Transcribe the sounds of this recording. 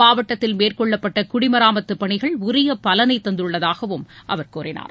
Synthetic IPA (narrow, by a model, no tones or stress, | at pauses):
aːʋɐʈːɐt̪ːɪlmeːrkɔɭːɐpːɐʈːɐkʊɽɪmɐɾaːmɐt̪ːɯpːɐɳɪɣɐɭʊɾɪjɐpːɐlɐnɐɪt̪ːɐnd̪ɯɭːɐðaːɣɐʋɯmʔɐ̰ʋɐɾkuːrɪna̰ːɾ